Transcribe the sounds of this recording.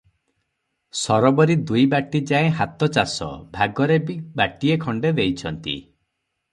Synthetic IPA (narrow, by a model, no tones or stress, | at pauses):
sɔɾɔbɔɾid̪ujbaʈid͡ʒaẽɦat̪ɔt͡ʃasɔ̰bʱaɡɔɾebibaʈiekʰɔɳɖed̪ejt͡ʃʰɔnt̪ḭ